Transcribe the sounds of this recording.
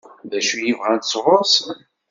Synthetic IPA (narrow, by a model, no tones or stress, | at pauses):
ðæʃujivʁænt̪sʁos